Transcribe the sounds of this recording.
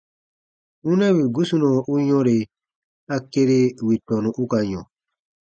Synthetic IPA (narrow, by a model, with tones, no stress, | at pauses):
ũ˦nɛ̃˦wi˨ɡu˦su˦nɔ̃˨ʔu˦jɔ̃˦ɾe˨ | a˦ke˦ɾe˦wi˨tɔ˨nũ˨ʔu˦ka˨ɲɔ̰̃˨